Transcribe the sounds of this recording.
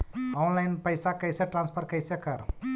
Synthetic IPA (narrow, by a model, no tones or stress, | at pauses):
ɔnlajnpəjsakəjseʈɾãnspʰəɾkəjsekəɾ